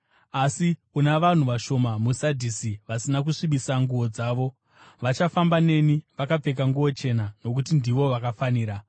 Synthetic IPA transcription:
asiunaʋan̤uʋaʃo̞mamusadʱisiʋasinakuʂiɓisaŋɡuʋo̞d͡zaːʋo̞ | ʋat͡ʃafambane̞niʋakap͡fe̞k̬aŋɡuo̞t͡ʃe̞nano̞k̬ut̬indiʋo̞ʋakafaniːɾa

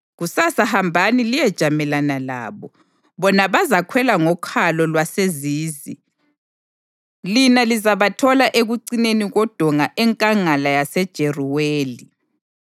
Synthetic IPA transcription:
ɣusasahambʱanilijɛd̥ʒ̥ʱamɛlanala̰ːβɔ | βɔnaβazakʰwɛlaŋɔkʰalɔlwaseziːzḭ | linalizaβatʰɔlaʔeɣuǀineniɣɔd̥ʱɔŋaʔɛŋkʼaŋalajasɛd̥ʒ̥ʱɛriweːli

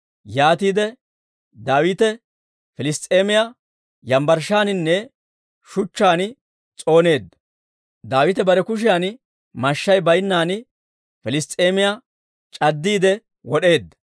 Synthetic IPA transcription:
jaːt̪iːd̪ɛ | d̪aːwɪt̪ɛ | fɪlɪst̪ʼeːmɪja | jɐmbɐɾʃaːnɪnːɛ | ʃʊt͡ʃːaːnɪ | t͡sʼo̞ːne̞ːd̪ːɐ | d̪aːwɪt̪ɛbɐɾɛkʊʃ̬ɪjaːn | mɐʃːɐjbɐjnːaːnɪ | fɪlɪst̪ʼeːmɪja | t͡ʃʼɐd̪ːiːd̪ɛ | wɔɗe̞ːd̪ːɐ

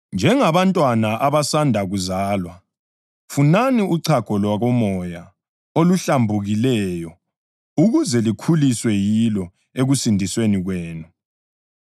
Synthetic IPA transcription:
nd͡ʒʱɛŋaβantʼwanaʔaβasandʱaɣuzaːlwa | funaniuǀʰaɡ̥ʱɔlwaɣɔmɔja | oluɬambʱuɣilɛjɔ | uɣuzɛlikʰuliswɛjilɔ | eɣusindʱisweniɣweːnu

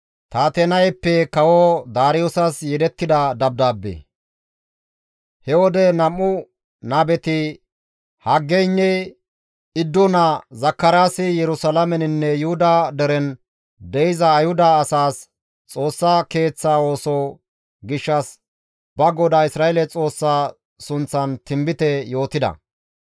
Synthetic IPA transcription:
t̪aːt̪ɛnɐjpːɛkɐwɔd̪aːɾɪjɔsɐsjɛd̪ɛt̪ːɪd̪ɐd̪ɐb̚d̪aːbːḛ | hɛwɔd̪ɛnɐmːʊ | naːbɛt̪ɪ | hɐɡːɛnːɛ | ɪd̪ːɔnɐzɐkːɐɾaːsɪjɛɾʊsɐlɐmɛnɪnːɛjʊhʊd̪ad̪ɛɾɛn | d̪ɛjɪzɐːjhʊd̪ɐːsaːs | t͡sʼo̞ːsːake̞ːt͡sːaːo̞ːsɔ | ɡɪʃːɐs | b̥ɐɡɔd̪aːɪsɾaːeɛlɛt͡sʼo̞ːsːaː | sʊnt͡sːɐnt̪ɪmbɪt̪ɛjo̞ːt̪ɪd̪ɐ̰

